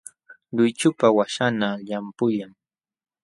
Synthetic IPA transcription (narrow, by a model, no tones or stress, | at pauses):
ʎʊjt͡ʃʊpawaʃanaʎampʊjaŋ